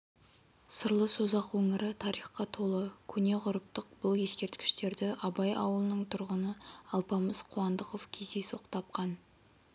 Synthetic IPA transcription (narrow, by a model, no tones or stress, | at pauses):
səɾlˠəsozɑqwɵŋɪɾɪt̪ʰɑɾijχqɑt̪ʰo̞lˠəkʲʰɵne̞ʁʊɾəp̚t̪əq̚bʊlˠje̞skʲe̞ɾt̪kʲɪ̥ʃt̪e̞ɾd̪ɪʔɑbɑjɑ̰wəlˠənəɴt̪ʰʊɾʁənəɑlˠpɑməz̥qʰʊwɑnd̪əqo̞vkʲʰe̞zd̪esoqt̪ʰɑp̚qɑn